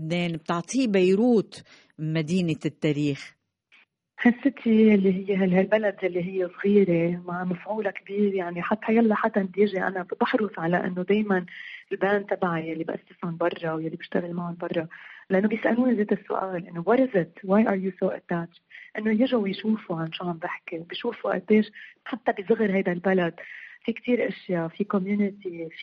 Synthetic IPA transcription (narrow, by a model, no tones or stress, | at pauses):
bneːnb̚t̪ɑʕt̪ˤiːbajɾuːt̪ | mad̪iːnɪt̪ːaːɾiːx | ħɪsːɪt̪ʰijalːiɦɪjːeɦalɦalbalad̪jalːiɦɪjːesˤɣiːɾemaʕmafʕuːlakbiːɾjaʕniħat̪ːhajalːaħat̪ːaʔnɪd̪jɪʒiʔa̰nabɑħɾʊsʕalaʔɪ̰nːod̪eːjmanɪlbaːnt̪abaʕajalːibʔa̰sːɪshʊnbɑrˤːɑwjalːibɪʃt̪aɣalmaʕʊnbɑrˤːɑlʔanːobjɪsʔa̰luːnzeːt̪ɪsːʊ̰ʔa̰ːlʔɪnːowɑɾɪzɪt̪waːjʔɑɾjusoːʔɪ̰t̪ːat͡ʃʔɪnːojɪʒawjʃuːfuʕanʃuʕambɪħkewbiʃuːfuʔa̰b̪eːʃħat̪ːabɪzʊɣːɪɾɦajd̪albalad̪fikt̪iːɾʔɪʃjafikɔmjuːnɪt̪if